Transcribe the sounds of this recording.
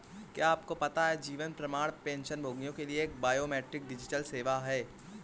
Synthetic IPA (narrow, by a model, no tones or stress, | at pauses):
kjaːpkopɐt̪aɦɛd͡ʒiːʋənpɾɐmaːɽpẽːnʃənbʱoːɡnijõkelieːk̚baːjoːmɛːʈɾɪk̚ɖɪd͡ʒɪʈəlseːʋaɦɛː